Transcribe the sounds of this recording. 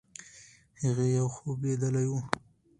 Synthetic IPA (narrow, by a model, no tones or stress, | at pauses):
haɣejawxobed̪əlaju